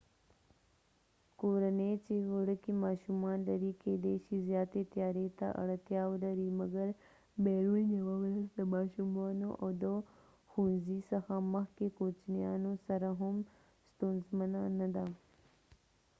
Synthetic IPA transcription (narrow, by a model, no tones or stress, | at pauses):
koːɾɐnet͡ʃeɣəɽəkimaːʃumaːnlɐɾikeːd̪eʃizjaːt̪et̪jaːɾet̪a̰ʔɐ̰ɽət̪jaːwlɐɾimɐɡəɾ | beːɾuːnjɐwawɾɐsd̪əmaːʃumaːnoʔɐwd̪ə | xũnzisəxaməxkekot͡ʃnijaːnosɐɾaɦʊm | st̪oːnzmənanɐd̪a